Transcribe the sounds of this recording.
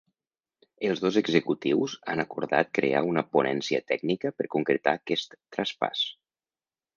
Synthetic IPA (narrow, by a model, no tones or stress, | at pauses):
əlˠzðozəɡzəkut̪iwza̰nakuɾða̰t̪̚kɾḛa̰unəpunɛnsiə̰t̪ɛɡnikəpəɾkuŋkɾət̪akɛst̪ːɾaspa̰s